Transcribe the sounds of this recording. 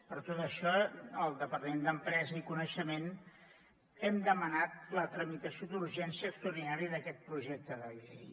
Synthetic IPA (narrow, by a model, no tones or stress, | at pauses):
pəɾt̪ot̪əʃɔəlˠd̪əpəɾt̪əmend̪əmpɾɛzəikunəʃəmen | ɛmd̪əmənat̪lət̪ɾəmit̪əsiod̪uɾʒɛnsiəːkst̪uɾðinaɾiðəkɛt̪̚pɾuʒɛk̚t̪əðəʎej